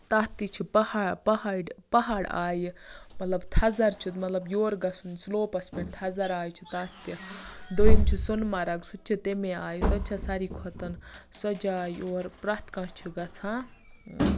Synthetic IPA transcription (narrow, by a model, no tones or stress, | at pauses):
t̪ɐt̪it͡ʃʰipɐhapɐɦaɖpɐɦaːɽa̰ːjmɐt̪lɐbt̪ʰɐzɐɾt͡ʃʰit̪mɐt̪lɐbjoːɾɡɐsʰunsloːpɐspʰʲeʈt̪ʰɐzɐɾaːjt͡ʃʰit̪ɐːt̪id̪ojmt͡ʃʰisunmɐɾɐɡsut̪̚t͡ʃʰit̪emeaːjsɐt̪t͡ʃʰɐsaɾiːkʰɔt̪ɐnswɐd͡ʒaːjoːɾpɾat̪kãt͡ʃʰiɡɐt͡sʰãː